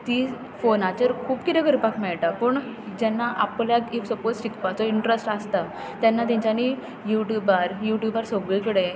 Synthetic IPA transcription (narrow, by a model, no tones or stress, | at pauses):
t̪iː | fonãt͡ɕəɾkʰuːpkit̪eɡəɾpakmɛɭʈapəɳd͡ʑɛnːaʔapljakiksəpod͡zsikpat͡sɔiɳʈɾəsʈast̪a | t̪janːat̪̬ãɲt͡ɕani | juʈjubaɾjuʈjubaɾsɔɡɭikəɽe